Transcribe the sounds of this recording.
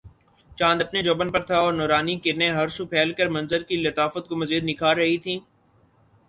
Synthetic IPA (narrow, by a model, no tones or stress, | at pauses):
t͡ʃãːnd̪ɐpned͡ʒoːbənpɐɾt̪ʰaɔːɾnɔːɾaːnikɪɾneɦɐɾsupʰɛːlkəɾmɐ̃nzəɾkilɐt̪aːfət̪̚komɐziːd̪nɪkʰaːɾɾɐɦit̪ʰĩː